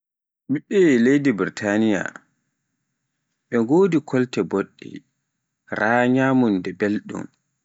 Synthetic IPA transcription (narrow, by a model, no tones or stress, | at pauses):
ɓiɓːɛlejdibiɾitʰanija̰ | ɓɛŋɡoːdikʰɔltɛboɗːḭ | ɾaːɲaːmundɛbelɗṵm